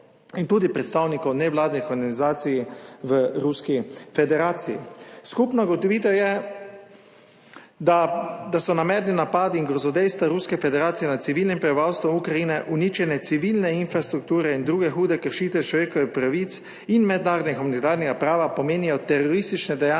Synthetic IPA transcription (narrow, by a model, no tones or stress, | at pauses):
int̪uːd̪ipɾɛt̪st̪aːwnikɔwnɛʋlaːd̪nixɔɾɡanizaːt̪sijiʋəɾuskifɛd̪ɛɾaːt̪siḭskupnɔɡɔt̪ɔʋiːt̪ɛjɛ | d̪ad̪asɔnamɛːɾninapaːd̪iːŋɡɾɔzɔd̪ɛjst̪ʋaɾuskɛfɛd̪ɛɾaːt̪sijɛnat̪siʋiːlnimpɾɛbiʋawst̪ʋɔmukɾaiːnɛʔuniːt͡ʃjɛnɛt̪siʋiːlnɛinfɾast̪ɾuk̚t̪uːɾɛind̪ɾuːɡɛxuːd̪ɛkəɾʃiːt̪ʋɛt͡ʃlɔʋeːkɔʋixpɾaʋit̪s | inmɛd̪naːɾɔd̪nixumanit̪aːɾnɛɡapɾaːʋapɔmeːnijɔt̪ɛɾɔɾist̪it͡ʃnɛd̪ɛja